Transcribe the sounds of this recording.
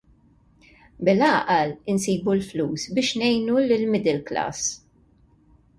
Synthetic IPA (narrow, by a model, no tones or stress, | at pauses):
bɪlɐʔɐlɪnsiːbulfluːsbɪːʃnɛjnulɪlmɪd̪ɛlklɐ̰ːs